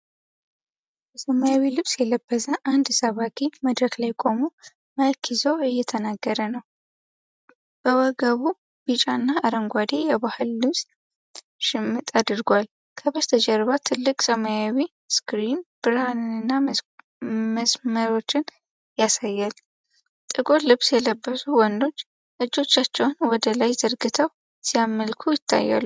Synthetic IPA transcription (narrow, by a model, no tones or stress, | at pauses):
bɛsəmajawilɨβsjɛləbːəzəʔand̪səβakʰʼiməd̪ɾəklajkʼo̞mu | məlkʰizo̞ɨjːɛt̪ʰənaɡːəɾənəw | b̥əwɔɡəβu | b̥it͡ʃʼanːaːɾəŋɡʷad̪ejɛβahɨlːɨβs | ʃɪmːɨt̪ʼad̪ɨɾɡʷal | kʰəbəst̪ʰəd͡ʒɛɾβat̪ʰɨlːɨkʼsəmajawi | skɾinb̥ɨɾanɨnɨnːa | məsməɾo̞t͡ʃːɪn | jasajːal | t̪ʼɨɡo̞lɨβsjɛləbːəsuwɔnd̪o̞t͡ʃː | ʔɨd͡ʒːo̞t͡ʃːat͡ʃːɛwnwɔd̪əlajzəɾɡɨt̪ʰəw | sijamːəlkʰujɪt̪ʰːa̰jːa̰lː